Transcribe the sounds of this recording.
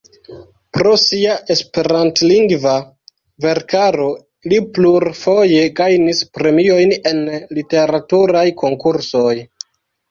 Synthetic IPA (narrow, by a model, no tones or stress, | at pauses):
pɾo̞siaʔe̞spe̞ɾantliŋɡva | ve̞ɾkaɾo̞ | lipluɾfo̞je̞ɡajnispɾe̞mio̞jne̞nlite̞ɾatuɾajkʰo̞ŋkuɾso̞j